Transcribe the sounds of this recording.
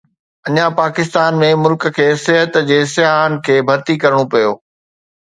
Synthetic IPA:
ɐɲãpaːkɪs̬t̪aːnmẽmʊlkə̆kʰeːsɪɦət̪d͡ʑeːsɪjaːɦənɪ̆kʰeːbʱɐɾt̪ikɐɾɽ̃opɐjoː

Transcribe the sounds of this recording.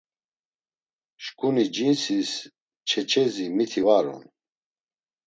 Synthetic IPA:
ʃkʼunid͡ʒinsis | t͡ʃʰɛt͡ʃʰɛzimit̪ʰivaɾɔ̰n

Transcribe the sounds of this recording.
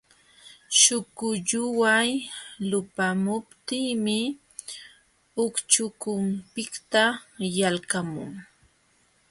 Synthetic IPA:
ʃʊkʊʎʊwajlʊpamʊpt̪iːmɪ | ʊkt͡ʃʊkʊmpɪkt̪ajalkamʊ̰ŋ

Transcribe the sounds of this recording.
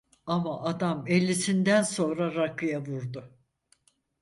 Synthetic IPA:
amaʔad̪amelʲːisind̪ænso̞nɾaɾakʰːɯjavuɾd̪ʊ

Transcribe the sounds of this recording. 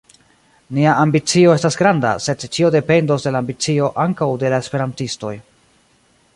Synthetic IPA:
niaʔambit͡sio̞e̞stasɡɾanda̰se̞dt͡ʃio̞de̞pe̞ndo̞sde̞laːmbit͡sio̞ʔaŋkawde̞lae̞spe̞ɾantisto̞̰j

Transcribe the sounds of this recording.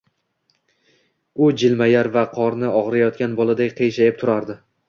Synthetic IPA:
ʊd͡ʒɪlmajaɾvaqʰɒɾnɪɒʁɾajɒt̪̚kʲanbɒlˠad̪akʲqʰejʃajɪp̚t̪ʰʊɾaɾd̪ɪ

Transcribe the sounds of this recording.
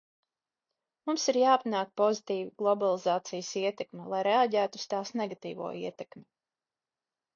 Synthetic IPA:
mumsiɾjaːpanaːk̚pɔzit̪iːviɡ̥lˠɔbalˠizaːt̪sijəsiɛt̪ɛkmʲɛlˠajɾeaɟæːt̪ust̪aːsnɛɡat̪iːvṵːiɛt̪ɛkmʲi

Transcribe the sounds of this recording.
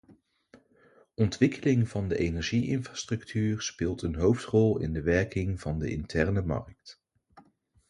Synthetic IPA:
ʔɔntʋɪkəlɪŋvɑndəʔejnɛɹʒiʔɪnfrastrɵktʰyːɹspɪːlˠtənɦowftrɔlˠɪ̰ndəʋɛɹkɪŋv̥ɑndə̰ʔɪ̰ntʰɛɹnəmɑ̰ɹk̚t

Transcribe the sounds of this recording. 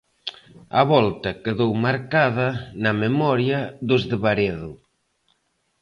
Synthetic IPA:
a̰βɔlt̪ɐkeðowmaɾkaðɐnamemɔɾjaðʊzðeβaɾeðʊ

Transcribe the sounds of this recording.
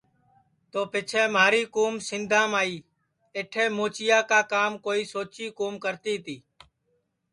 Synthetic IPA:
t̪oːpɪt͡ʃʰɛ̃ːmaːɾiːkuːmsɪnd̪ʱãːmaːiː | eʈʰeːmoːt͡ʃɪjaːkaːkaːmkoːiːsoːt͡ʃiːkoːmkəɾt̪iːt̪iː

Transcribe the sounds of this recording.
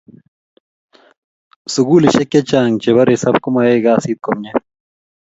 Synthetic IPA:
suɡuːliɕekːet͡ɕaːŋt͡ɕeβɐɾesɐbkumɐeːɡaːsid̪̚komɲe

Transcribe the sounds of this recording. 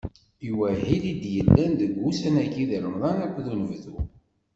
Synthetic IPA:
iwæɦilid̪jəlːænðəɡːusænækiðəɾəmðˤɑnækʷːðunəvðu

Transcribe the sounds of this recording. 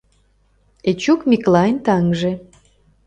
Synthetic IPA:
et͡ɕukmʲiklɑjnt̪ɑŋʒe

